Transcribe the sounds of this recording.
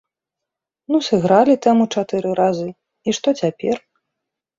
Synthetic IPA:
nusɨɣɾalʲit̪ɛmut͡ʂat̪ɨɾɨɾazɨ | iʂt̪ɔt͡sʲapʲɛr

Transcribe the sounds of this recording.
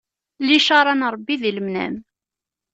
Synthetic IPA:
liʃɑɾˤɑnɾˤbːiðiləmnæ̰m

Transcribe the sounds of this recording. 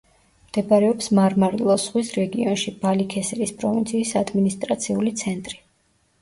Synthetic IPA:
md̪̥ɛbaɾɛɔpsmaɾmaɾilˠɔsʁwisɾɛɡiɔnʃib̥alikʰɛsɛɾispʼɾɔvint̪sʰiːsad̪minist̪ʼɾat̪sʰiulit̪sʰɛnt̪ʼɾi

